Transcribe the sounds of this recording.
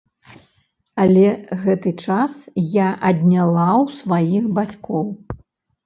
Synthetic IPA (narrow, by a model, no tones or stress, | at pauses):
ɐlʲɛɣɛt̪ɨt͡ʂasjaʔɐd̪ʲnʲalˠawsvajixbat͡sʲkʰɔw